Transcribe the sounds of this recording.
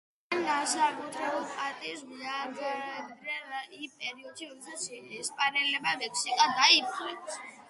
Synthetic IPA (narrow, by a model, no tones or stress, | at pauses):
and̪asakʼɔt̪ʰɾɛbulpʼaɾt̪ʼis̬viaɾɡdɾɛɾipʼɛɾiɔd̪ʃiɾɔd̪ɛsat̪sʰɛspʼanɛlɛbamɛkʰsikʼad̪aipʼlɛsʰ